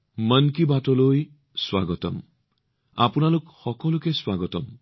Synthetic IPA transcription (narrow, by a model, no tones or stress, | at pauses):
mənkibatɔloj | swa̰ɡɔt̪ɔ̰m | a̰punalokxɔkɔlukeswaɡɔt̪ɔm